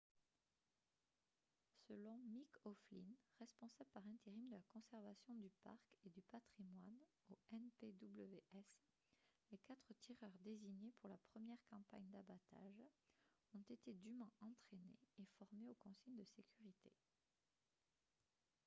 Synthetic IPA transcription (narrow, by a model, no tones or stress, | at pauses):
səlɔ̃mikɔflinʁɛspɔ̃sabləpaʁɛ̃t̪eʁimd̪əlakɔ̃sɛʁvasjɔ̃d̪ypa̰ʁked̪ypat̪χimwan | oɛnped̪ubləveʔɛs | lekat̪χət̪ʰiʁœʁd̪eziɲepuʁlapχəmjɛʁkɑ̃pa̰ɲd̪abat̪a̰ʒ | ɔ̃t̪et̪ed̪ymwɛ̃ʔɑ̃t̪χenḛːfɔʁmeokɔ̃siɲd̪əsekʲyʁit̪ʰḛ